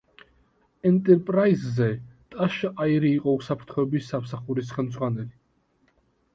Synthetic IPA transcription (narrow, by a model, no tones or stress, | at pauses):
ɛnt̪ʼɛɾpʼɾaizːɛt̪ʼaʃaiɾiːqʼɔusapʰɾt̪ʰχɔɛbisːamsaχuɾis̬χɛlmd̪zʁwanɛli